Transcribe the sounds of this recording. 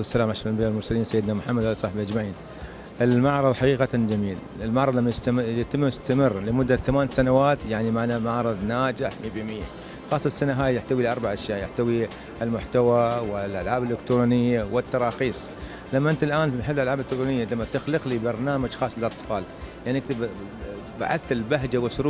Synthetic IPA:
sːalaːmʕaʃbɪjalmʊɾsaliːnsajːɪd̪namʊħamːad̪ʕalsˤɑħbiʔad͡ʒmaʕiːn | ʔɪlmaʕɾˤɑðˤħaɑqiːqaad͡ʒamiːl | ɪlmaʕɾˤɑðˤlamːajst̪jɪt̪ɪmːʊst̪amɪrləmʊd̪ːaθamaːnsanawaːt̪jaʕnimaʕnamaʕɾˤɨðˤnaːd͡ʒɪħmibimɪjːa | xɑːsˤːɑsːanaɦaːjjɪħt̪awilʔɑɾˤbaʕʔaʃjaːʔjɪħt̪awi | ɪlmʊħt̪awawɪlʔa̰lʕaːbɪlːɪkt̪ɾuːnɪjːawɪt̪ːɑɾˤɑːxiːsˤ | lamːaʔɪnt̪alʔaːnħɪbːlʔalʕaːblt̪ːkt̪ɾunɪjːalamːat̪ɪxlɨqlibɑɾˤnaːmad͡ʒxɑːsˤːɪlʔɑt̪ˤfɑːljaʕniʔakt̪ɪb | ba̰ʕa̰θɪlbaɦd͡ʒawɪsʊɾuː

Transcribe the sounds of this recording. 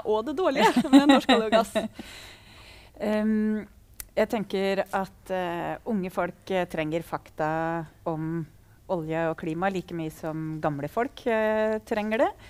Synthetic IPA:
ʔɔd̪ɛd̪oːɭɪəmɛɛnɔʂkɑljɔɡɑs | jæɪt̪ʰɛŋkəɾʔɑt̪ʊŋːəfɔlkt̪ʰɾɛŋːəɾfɑkt̪ɑɔm | ʔɔljəɔkʰliːmɑliːkəmyːsɔmɡɑmləfɔlkt̪ʰɾɛŋːəɖɛ

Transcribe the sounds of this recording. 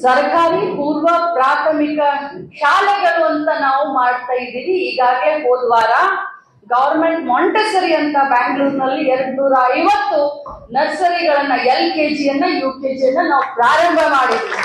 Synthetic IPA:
sɐɾkaːɾipuːɾʋɐpɾaːt̪ʰɐmikɐʃaːlɛɡɐɭuɐnt̪ɐnaːʋumaːɽt̪aːjid̪iʋiːɡaːɡleɦoːd̪ʋaːɾɐ | ɡɐʋɐɾmeɳʈmɐɳʈɐsɐɾiɐnt̪ʰɐbaːŋɡluːɾnɐlːiɛɾɐɽnuːɾɐɐjʋɐt̪ːunɐɾsɐɾiɡɐɭɐnːɐelkeːd͡ʒijɐnːɐjuːke̞ːd͡ʒijɐnːɐnaːʋupɾaːɾɐmbʱɐmaːɽid̪ii

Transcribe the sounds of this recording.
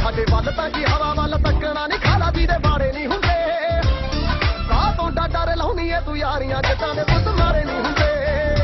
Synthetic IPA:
saːɖeːpalt̪ãːkiːɦəʋaːʋaːlət̪əkːəɽaːnɪ̃ːkʰaːlaːd̪iːd̪eːbaːɽeːnĩːɦʊ̃nd̪eː | kaːt̪õːɖaːɖaːɾeːlə̃ːʊ̃nd̪iːeːt̪ʊːjaːɾɪjãːd͡ʒɪt̪ãːnẽːt̪ʊsəmaːɾeːnĩːɦʊ̃nd̪eː

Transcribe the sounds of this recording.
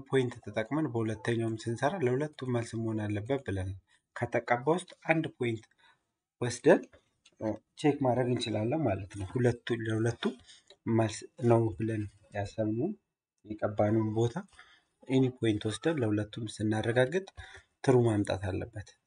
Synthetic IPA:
pʰo̞jɪnt̪ʰt̪ʰət̪ʼəkʼmənbəhulət̪ːəɲːawmsɨnsəɾaləhulət̪ʰːumːəlsɨməhonalːəbːət̪̚bɨlən | kʰət̪ʰəkʼːabawʊst̪ʼʔand̪pʰo̞jɪnt̪ | wɔsd̪əd̪ | t͡ʃʰekmad̪ɾəɡɨnt͡ʃɪlalːəwmalət̪nəwhulət̪ːuləhulət̪ːuməlsnəwbɨlən | jasəβnun | jɛkʼəbːanunbo̞t̪ʰa | ʔɨnepʰo̞jɪnt̪wɔsd̪ədləhulət̪ːumsɨnːarːəɡaɡːɨt̪ʼt̪ʰɨɾumamt̪ʼa̰t̪ʰalːə̰bːət̪

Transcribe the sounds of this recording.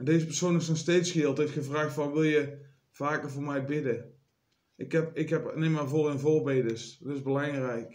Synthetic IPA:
ɛndeːzəpərsonɪsnɔxstejtsxɪːlˠtɪftxəvraːxtfɑnʋɪlˠjə | v̥aːkərvʊːrmɛjbɪdə | ʔɪkɛpɪkɦɛpnemavolənvorbejdəstɪzbəlɑŋrɛjk

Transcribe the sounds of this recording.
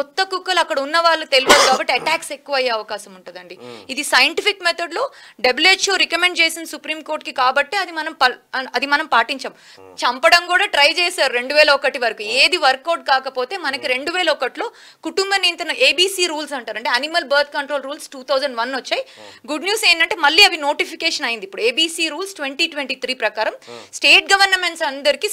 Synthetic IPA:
kɔt̪ːɐkukːɐlɐkːɐɽɐunːɐʋaːɭːut̪eluʋɐd̪kaːbɐʈːeɐʈaːkse̞kːuʋɐjːeːɐʋɐkaːʃɐmuɳʈund̪ɐɳɖiid̪isɐjɐɳʈifikːmet̪oɖloːɖebleʈʃoːɾikɐmeɳɖt͡ʃeːsinɐsupɾiːmko̞ːɾʈkikaːbɐʈːe̞ːɐd̪imɐnɐmpɐɐd̪imɐnɐmpaːʈiɲt͡ʃɐm | t͡ʃɐmpɐɽɐmkuːɽaːʈɾɐjt͡ʃeːsaːɾuɾe̞ɳɖuʋɛːlɐɔkɐʈiʋɐɾɐkueːd̪iʋɐɾkːɐːɾɖ̚kaːkɐpo̞ːt̪e̞ːmɐnɐkiɾe̞ɳɖuʋeːlɐɔkɐʈlo̞ː | kuʈumbɐnint̪ɐneːbiːsiːɾuːls̬ɐɳʈaːɾɐɳʈeɐnimɐlbɐɾt̪ʰkɐɳʈɾoːlɾuːlsʈuːt̪ʰɐwd͡ʒɐɳɖʋɐnːʋɐt͡ʃːaːjɡuɖnjuːseːnd̪ɐɳʈeːmɐlːiːɐʋino̞ːʈipʰikeːʂɐnɐjind̪ipːuɽueːbiːsiːɾuːlsʈʋeɳʈiːʈʋeɳʈiːt̪ʰɾiːpɾɐkaːɾɐmsʈe̞ːʈ̚ɡɐʋɐɾnmeɳʈsɐnd̪ɐɾiki

